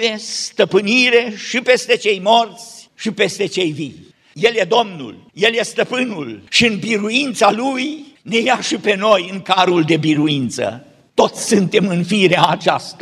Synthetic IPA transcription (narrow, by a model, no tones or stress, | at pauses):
est̪əpɨniɾe̞ʃipe̞st̪e̞t͡ʃe̞jmo̞rt̪sʲʃipe̞st̪e̞t͡ʃe̞jvij | je̞ljed̪o̞mnṵlje̞lje̞st̪əpɨnulʃiɨnbiɾuint̪salujne̞jaʃipe̞no̞jɨŋkaɾuld̪e̞biɾuint̪sə̰ | t̪o̞t̪sʲsɨnt̪e̞mɨnfiɾeaːt͡ʃast̪a